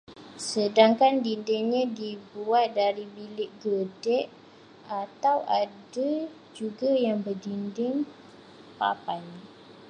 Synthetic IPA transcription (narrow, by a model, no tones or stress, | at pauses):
sədaŋkandindɪŋɲãdibuat̪̚daɾibilɪʔ̚ɡədɛʔ | at̪awʔada | d͡ʒuɡajaŋbərdindɪŋ | pa̰paj